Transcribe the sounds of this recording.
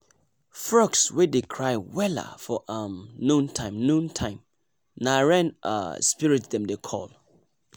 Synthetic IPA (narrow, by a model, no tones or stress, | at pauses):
fɹɔkswedekʰɹaɪwɛla̰fɔʔãmnũntʰãɪ̃mnũntʰãɪ̃m | naɹɛ̃nʔa̰spiɹɪt̚dɛ̃mdekʰɔ̰l